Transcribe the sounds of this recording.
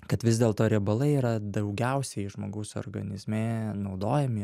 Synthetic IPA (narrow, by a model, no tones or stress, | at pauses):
kɐt̪ʋʲɪzʲd̪ʲeːlˠt̪oːɾʲɛbɐlˠɐɪiːɾɐd̪ɐʊɡʲɛʊsʲɛʒmoːɡɐʊso̰rɡɐ̰nʲɪzʲmʲeːnɐʊd̪oːjɛmʲɪ